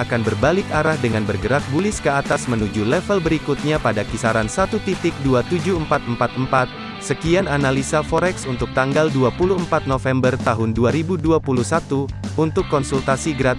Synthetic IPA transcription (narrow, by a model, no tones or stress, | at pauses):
akanbərbalɪkaɾahdəŋanbərɡəɾak̪̚bulɪskəat̪asmənud͡ʒulɛfəlbəɾikut̪̚ɲapadakisaɾansat̪ut̪it̪ɪk̚duat̪ud͡ʒuəmpat̪̚əmpat̪̚mpat̪̚ | səkiananalisafoɾɛksunt̪ʊk̚t̪aŋɡalduapuluəmpat̪̚nofɛmbərt̪aɦʊnduaɾibuduapulusat̪uunt̪ʊkːɔnsult̪asiɡəɾat̪̚